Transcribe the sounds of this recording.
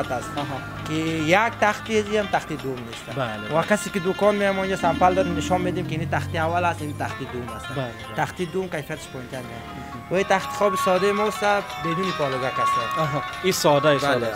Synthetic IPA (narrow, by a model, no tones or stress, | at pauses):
t̪ast̪ɦ | kijakt̪ʰaχt̪iazijamt̪ʰaχt̪id̪uumnest̪abalewakasikid̪ukɔnmeajmɔnd͡ʒasampald̪ɔd̪imnɪʃɔnmed̪imkinit̪aχt̪iawːalast̪init̪ʰaχt̪id̪ujumast̪aa | t̪ʰaχt̪id̪uumkʰajfijat̪ɪ̥ʃpʰɔint̪ʰad̪me | wait̪aχt̪i̥χɔbisɔd̪ajmɔst̪abed̪unipɔlɔɡakast̪aɦisɔd̪aisla